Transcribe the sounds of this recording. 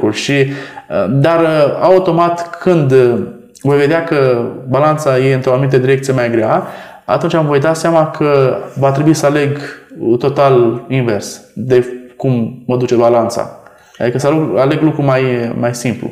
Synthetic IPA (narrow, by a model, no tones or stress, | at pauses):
ulʃiəd̪araut̪o̞mat̪kʰɨnd̪ | vo̞jve̞d̪eakəbalant̪saje̞ɨnt̪ɾoanumit̪ed̪iɾe̞k̚t̪sije̞majɡɾea | a̰t̪unt͡ʃamvo̞jd̪aseamakʰəvat̪ɾe̞buisəale̞ɡt̪o̞t̪alinve̞rsd̪e̞kumːəd̪ut͡ʃebalant̪sa̰ | ad̪ikəsəlukale̞ɡlukɾumajmajsimplṵ